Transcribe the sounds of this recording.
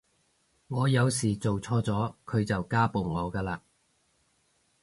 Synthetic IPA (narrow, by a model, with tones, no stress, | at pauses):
ŋɔː˨˧jɐ˨˧wsiː˨˩t͡so˨wt͡sʰɔː˥t͡sɔː˨˥kʰɵ˨˧ɥt͡sɐ˨wkaː˥po˨wŋɔː˨˧kaː˧laː˧